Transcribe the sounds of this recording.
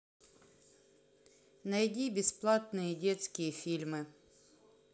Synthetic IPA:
nɐjdʲibʲɪsplˠat̪nɨjədʲet̪skʲɪjəfʲilʲmɨ

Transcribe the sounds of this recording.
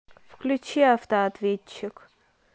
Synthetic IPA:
fklʲʉt͡ɕiɐft̪əɐt̪vʲet͡ɕːɪk

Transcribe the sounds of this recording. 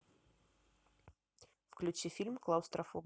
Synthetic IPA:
fklʲʉt͡ɕifʲilʲmklˠawst̪ɾɐfob

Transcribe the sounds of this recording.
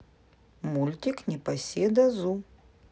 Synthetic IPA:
mulʲt̪ʲiknʲɪpɐsʲed̪ɐzu

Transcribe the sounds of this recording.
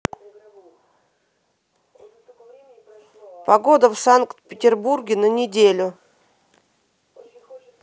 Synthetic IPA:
pɐɡo̞d̪əfsaŋkt̪pʲɪtʲɪrburɡʲɪnənʲɪdʲelʲʊ

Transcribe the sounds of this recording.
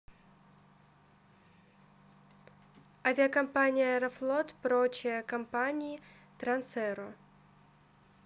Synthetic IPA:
avʲɪɐkɐmpanʲɪjəɛɾɐflˠot̪pɾot͡ɕɪjəkɐmpanʲɪɪ | t̪ɾɐnsɛɾo

